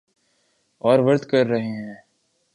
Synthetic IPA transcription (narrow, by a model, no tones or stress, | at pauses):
ɔːɾʋɐɾt̪kɐɾːɐɦeɦɛ̃ː